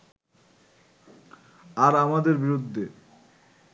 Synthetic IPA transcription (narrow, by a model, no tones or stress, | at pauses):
aɾamad̪eɾbiɾud̪ʱːe